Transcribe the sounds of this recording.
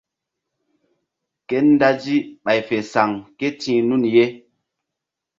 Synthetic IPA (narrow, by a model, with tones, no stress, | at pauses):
ke˦n˦da˦d͡ʒi˦ɓa˨jfe˨sa˨ŋke˦tʰĩ˦nu˦˨nje˦